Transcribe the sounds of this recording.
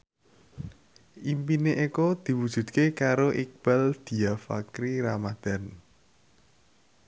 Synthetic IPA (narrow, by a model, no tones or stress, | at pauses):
ʔimpineʔekɔd̪̥i̤wud̥ʒ̥ṳd̪kekaɾoʔik̚b̥ald̪̥i̤afa̰kɾiɾamad̪̥a̤n